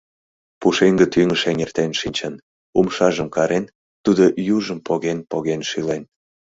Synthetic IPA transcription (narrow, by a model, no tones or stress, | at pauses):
puʃeŋɡə̆t̪yŋəʃeŋert̪enʃinʲt͡ɕən | umʃɑʒəmkɑɾen | t̪ud̪oʔjuʒəmpoɣenpoɣenʃilen